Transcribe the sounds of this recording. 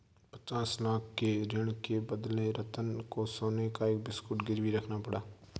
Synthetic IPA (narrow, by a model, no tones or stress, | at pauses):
pət͡ʃaːslaːkːeːɾɪɽ̃keːbəd̪lẽɾət̪ənkoːsoːnekaːɪːk̚bɪskʊʈɡɪɾbiːɾəkʰnaːpəɽaː